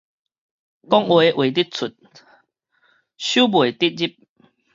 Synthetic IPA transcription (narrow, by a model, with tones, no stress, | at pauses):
kɔ˦ŋwe˧ʔwe˨t̪i˦t̚t͡sʰu˨˩t̚ | ɕuː˦bwe˨t̪i˦t̚d͡ʑi˦˥p̚